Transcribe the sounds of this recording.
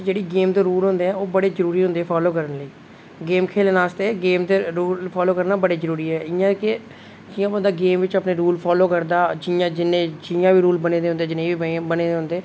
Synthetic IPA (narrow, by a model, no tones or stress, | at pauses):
d͡ʒeːɽiːɡeːmt̪oːɾuːlɦʊ̃nd̪eːɛːoːbəɽeːzəɾuːɾiːɦʊ̃nd̪eːɛːpʰaːloːkəɾənləiː | ɡeːmkʰeːlːnaːst̪eːɡeːmt̪eɾuːlpʰaːloːkəɾnaːbəɽeːzəɾuːɾiːɦɛːɪjãːkɪ | d͡ʒɪjãːənd̪aːɡeːmʋɪt͡ʃəpneːɾuːlpʰɔːloːkəɾd̪aːd͡ʒɪjãːd͡ʒɪnẽːd͡ʒɪjãːʋiːɾuːlbənẽːd̪eɦʊnd̪eːd͡ʒɪnẽːʋiːbəneːd̪eːɦʊ̃nd̪eː